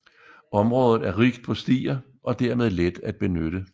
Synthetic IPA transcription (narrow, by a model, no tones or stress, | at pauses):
ɒ̽mʁɔ̽ːð̞ˠð̩ˠæɐʁiɡ̥d̥̚pʰɒ̽sd̥ḭːɐ | ʔɒ̽d̥æɐmeð̞ˠled̥æd̥̚b̥e̝nøɾ̥ə